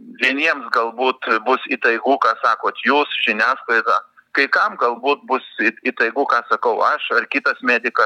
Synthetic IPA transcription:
ʋʲiɛnʲiɛmsɡɐlˠbuːt̪bʊsit̪ɐɪɡukɑːsɑːkoːt̪juːsʒʲɪnʲæːsklˠɐɪd̪ɐ | kɐɪkɐmɡɐlˠbuːt̪̚bʊsit̪ɐɪɡʊkɑːsɐkɐʊʔɐʃɐrkʲɪt̪ɐsmʲæːd̪ʲɪkɐ

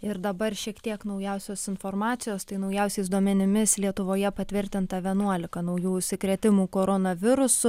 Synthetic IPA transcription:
ɪɾd̪ɐbɐrʃʲiɛkt̪ʲiɛknɐʊjɛʊsʲoːsɪnfoːɾmɑːt̪sʲɪjoːst̪ɐɪnɐʊjɛʊsʲɛɪsd̪uɔmʲɛnʲɪmʲɪslʲiɛt̪ʊʋoːjɛpɐt̪ʲʋʲɪɾʲt̪ʲɪnt̪ɐʋʲiɛnuɔlʲɪkɐnɐʊjuːʊʃʲsʲɪkɾʲɛt̪ʲɪmuːkoːɾonɐʋʲɪɾʊsʊ

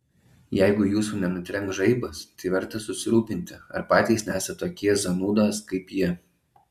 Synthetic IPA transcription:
jɛɪɡʊjuːsuːnʲɛnʊt̪ʲɾʲɛŋˑkʒɐɪbɐst̪ɐɪʋʲɛɾt̪ɐsʊsʲɪɾuːpʲɪnʲt̪ʲɪɐ̰ɾpɑːt̪ʲiːˑsnʲæːsɐt̪t̪oːkʲiɛzɐnuːd̪oːskɐɪpjiɛ

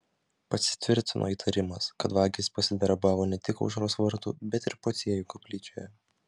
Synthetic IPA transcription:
pɐsʲɪ̥t̪ʲʋʲɪɾʲt̪ʲɪnʔo̰ːiːt̪ʰɐɾʲɪmɐskɐt̪ʋɑːɡʲɪspɐsʲɪd̪ʲɐɾbɑːʋoːnʲɛt̪ʲɪkɔ̰ʊʒɾoːsʋɐɾt̪ṵːbʲɛt̪ɪɾpot̪sʲiɛjuːkɔpʲlʲiːt͡ʃʲoːjɛ

